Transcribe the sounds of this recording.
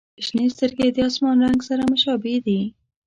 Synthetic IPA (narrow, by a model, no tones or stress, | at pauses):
ɪʃnest̪əɾɡed̪əɑsmɑnɾaŋɡsaɾamʊʃɑbed̪i